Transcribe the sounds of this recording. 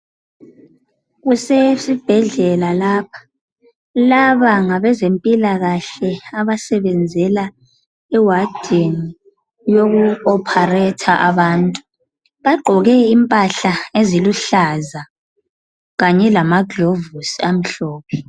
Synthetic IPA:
ɣusesib̥ʱɛɮɛlalaːpʰḁ | laβaŋaβɛzempʼilaɣaɬɛaβasɛβɛnd͡zʱɛla | ɛwad̥ʱeni | joɣuɔpʰarɛtʰaʔaβaːntʼu | βaɡ͡ǃʱɔɣɛimpʼaɬaeziluɬaza | ɣaɲɛlamaɡlovusiam̩ɬɔːpʰɛ

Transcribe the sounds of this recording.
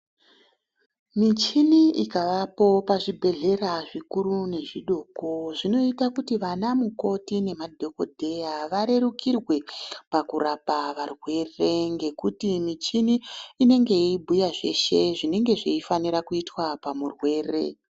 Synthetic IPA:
mit͡ʃiniʔikaʋapo̞paʐibʱe̞ɮe̞ɾaʐikuɾune̞ʐiɗo̞ːko̞ʐino̞itakutiʋanamuko̞tine̞madʱo̞ko̞dʱe̞jaʋaɾe̞rukirwe̞pakurapaʋarwe̞re̞ŋɡe̞kutimit͡ʃiniːne̞ŋɡe̞ibʱujaʐe̞̰ʃe̞ʐine̞ŋɡe̞ʐeifaniɾakuitwapamurwe̞ːre̞̰

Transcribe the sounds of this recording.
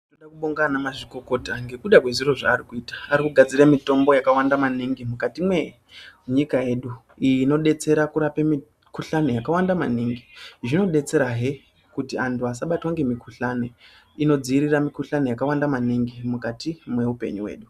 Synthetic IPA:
toɗakuɓoŋɡanamaʐiko̞ko̞taŋɡe̞kuɗakwe̞ʐiro̞ʐa̰ːrikuiːtḁːɾikuɡʱad͡ziremito̞mbo̞jakawandamaniŋɡimukatimwe̞ | ɲikaje̞ːɗu | ino̞ɗe̞t͡se̞ɾakuɾapemi | kuɬane̞jakawandamaniŋɡiʐino̞ɗe̞t͡se̞ɾaɦe | kutiantuasaɓatwaŋɡe̞mikʰuɬane̞ | ino̞d͡ziːɾiramikuɬane̞jakawandamaniŋɡimukatimwe̞upe̞̰ɲuwe̞̰ːɗu

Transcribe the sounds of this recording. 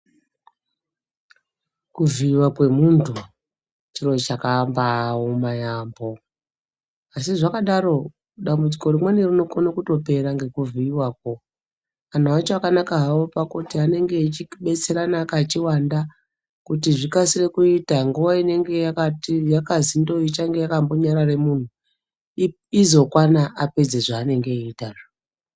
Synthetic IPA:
kuviːwakwe̞muntʰu | t͡ʃiro̞t͡ʃakambawomajaːmbo̞ | asiʐakaɗaɾo̞ | ɗambud͡ziko̞ɾimwenirino̞konokuto̞pe̞ɾaŋɡe̞kuviiwaːk̚wo̞ | an̤awat͡ʃoakanakaɦawo̞pakutiane̞ŋɡe̞it͡ʃiɓe̞t͡se̞ɾanaːkaːt͡ʃiwanda | kutiʐikasire̞kuitaŋɡuʋaine̞ŋɡe̞jakatijakazindo̞it͡ʃaŋɡe̞jakamboɲaɾare̞mun̤u | izo̞kwanaʔape̞d͡zeʐaːne̞ŋɡe̞iːtara

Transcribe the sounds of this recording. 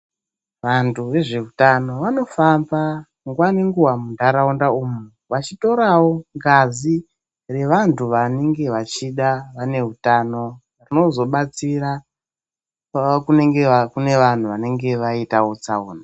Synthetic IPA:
ʋantʰuʋe̞ʐe̞utano̞ʋano̞famba | ŋɡwaniŋɡuwamundaɾaundauːmu | ʋat͡ʃito̞ɾawo̞ŋɡazi | re̞ʋantʰuʋane̞ŋɡe̞ʋat͡ʃiɗaʋane̞ɦutano̞ | rino̞zo̞ɓat͡siɾa | kune̞ŋɡekune̞ʋan̤uʋane̞ŋɡe̞ʋaitawot͡saṵːna

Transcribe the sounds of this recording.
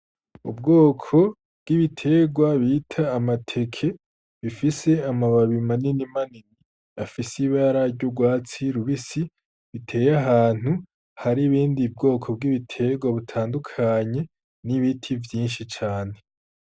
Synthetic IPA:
ṵbɡo̞ːkʰo̞ | bɡiβitʰe̞ɡwaβiːtʰaːmatʰe̞kʰe̞ | βifise̞amaβaβimaninimanini | afisiβaɾaɾɟoɡwaːt͡siɾuβisi | βitʰe̞ːjaɦaːn̥hu | haɾiβiːndib̚ɡo̞ːkʰo̞b̚ɡiβitʰe̞ɡwaβutʰaːndukʰaɲe̞ | niβitʰivjiːnʃit͡ʃaːne̞

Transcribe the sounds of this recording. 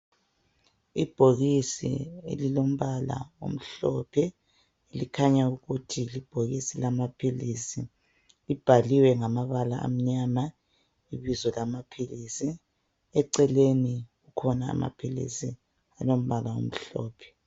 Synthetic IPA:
ib̥ʱoɣisḭḛlilom̩βala̰o̰m̩ɬɔpʰɛ | elikʰaɲauɣutʰilib̥ʱoɣisilamapʰilisi | lib̥ʱaliwɛŋamaβalaʔa̰m̩ɲama | iβizɔlamapʰilisi | ɛǀɛleniɣukʰɔna̰ːma̰pʰilḭsi | alom̩βalawo̰m̩ɬɔ̰ːpʰɛ̥

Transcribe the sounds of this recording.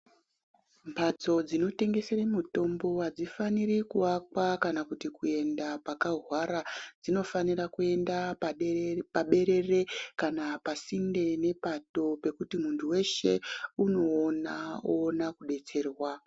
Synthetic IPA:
mpad͡zo̞d͡zino̞te̞ŋɡe̞seremuto̞mbo̞ad͡zifaniɾikuwakwakanakutikue̞ndapakaɦwaɾad͡zino̞fanirakue̞ndappaɓe̞ɾe̞re̞kanapasinde̞ne̞pato̞pe̞kutimuntʰuwe̞ʃe̞̰uno̞ːnaoːnakuɗe̞t͡se̞ːrwa

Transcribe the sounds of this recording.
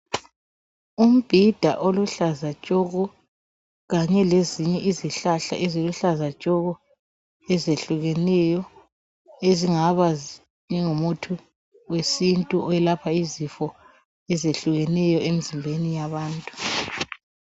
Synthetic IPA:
um̩b̥ʱid̥ʱa̰ʔoluɬazat͡ʃʼɔɣɔ | ɣaɲɛleziɲɛʔiziɬaɬa̰ʔɛziluɬazat͡ʃʼɔɣɔ | ɛzeɬuɣɛnɛjɔ | eziŋaβazi | ɲɛŋumutʰu | wesintʼuʔɔɛlapʰaizifɔ | ɛzeɬuɣɛnɛjɔem̩zimbʱenijaβaːntʼu̥

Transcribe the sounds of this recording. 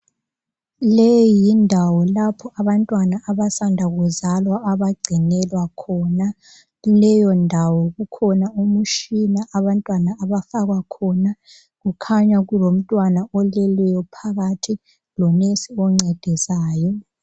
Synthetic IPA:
lejindʱawɔlapʰɔʔaβantʼwanaʔːβasandʱaɣuzalwaːβaɡ͡ǀʱinɛlwakʰɔna | lɛjɔndʱawɔɣukʰɔnaumuʃinaʔaβantʼwanaːβafaɣwakʰɔna | ɣukʰaɲaɣulom̩tʼwanaɔlɛlɛjɔpʰaɣatʰi | lɔmesiɔŋ͡ǀɛd̥ʱisaːjɔ

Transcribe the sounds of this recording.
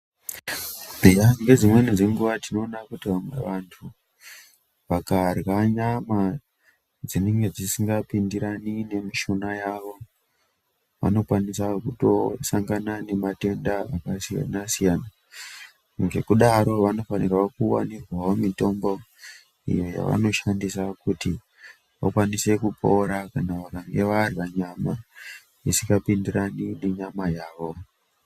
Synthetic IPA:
ijaŋɡe̞d͡zimwe̞nid͡ze̞ŋɡuʋatino̞ːnakutiʋamwe̞̰ʋantʰu | ʋakarɣaɲama | d͡zineŋɡe̞d͡zisiŋɡapindiɾanine̞miʃo̞najaʋo̞ | ʋa̰no̞kwanisakuto̞̰saŋɡanane̞mate̞ndaakasija̰nasijana | ŋɡe̞̰kuɗaɾo̞ʋano̞fanirwakuwa̰nirwaomito̞mbo̞ | ḭjo̞ja̰ʋa̰no̞ʃandisakuti | ʋa̰kwanise̞kupo̞ɾakanaʋakaŋɡe̞ʋaːriʋaɲama | isikapindiranine̞ɲamajaːʋo̞

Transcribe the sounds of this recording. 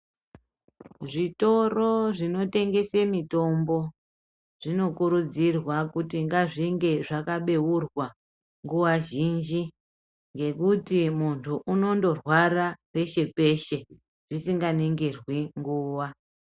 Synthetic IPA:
ʐito̞ro̞ʐino̞te̞ŋɡe̞semito̞mbo̞ | ʐ̥ino̞kuɾud͡zirwakutiŋɡaʐiŋɡe̞ʐakaɓe̞urwa | ŋɡuwaʒind͡ʒi | ŋɡe̞kutimuntʰuʔuno̞ndo̞rwarape̞ʃe̞pe̞ʃe̞ | ʐ̥isiŋɡaneŋɡerwiŋɡuːwa

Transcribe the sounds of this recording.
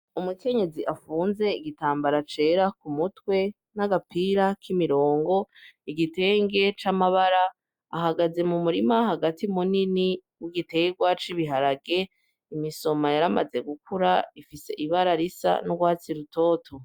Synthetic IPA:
umuke̞ɲe̞ziʔafuːnze̞iɡitaːmbaɾat͡ʃe̞ːɾakumutwe̞ | naɡapiːɾakʰimiɾo̞ːŋɡo̞iɡite̞ːŋɡe̞t͡ʃamaβaɾaː | ɦaɡaze̞mumuɾimaɦaɡatimunini | wiɡite̞ːɡwat͡ʃiβiɦaɾaɡe̞ | imiso̞majaɾama̰ze̞ɡukuɾaifise̞̰ʔiβaɾaɾisa̰nuɡwaːt͡siɾuto̞ːtʰo

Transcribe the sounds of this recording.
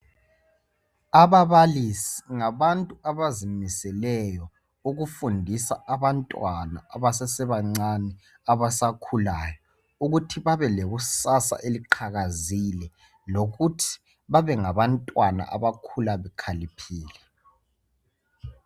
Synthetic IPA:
aβaβalisiŋaβantʼuaβazimisɛlɛjɔ | uɣufundʱisa̰ʔaβantʼwana̰ːβasɛsɛβaŋ͡ǀanɛ | aβasakʰulajɔ | uɣutʰiβaβɛleɣusasa̰ʔeliǃʰaɣazilɛ | loɣutʰi̥ | βaβɛŋaβantʼwana̰ʔa̰βakʰulaβɛkʰalipʰiːlɛ

